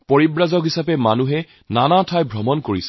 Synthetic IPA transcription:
poɹibɹazɔkɦisapɛmanuɦɛ | nanatʰajbʱɹɔmɔnkoɹisɛ

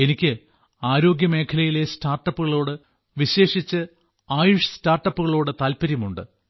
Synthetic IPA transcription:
e̞nikʲːɨ | aːɾo̞ːɡjɐme̞ːkʰɐlɐjile̞staːrʈːɐpːuɣɐɭo̞ːɽɨ | ʋiɕe̞ːʂit͡ɕːɨ | aːjuʂɐstaːrʈːɐpːuɣɐɭoːɽɨt̪aːlpɐɾjɐmuɳɖɨ̰

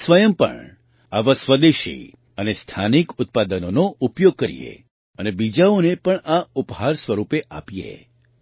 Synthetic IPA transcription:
sʋəjəmpə̰ɳ | aʋãsʋəd̪eʃḭ | ənest̪ʰanikʊt̪̚pad̪ənonoupjoɡ̚kəɾḭjḛ | ənebid͡ʒaonepəɳaupɦaɾsʋəɾupeʔa̰pijḛ

